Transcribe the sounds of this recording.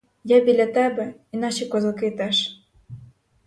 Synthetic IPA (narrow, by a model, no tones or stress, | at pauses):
jæbilʲæt̪æbɘ̆inɑɕekozɤ̆ket̪æʃ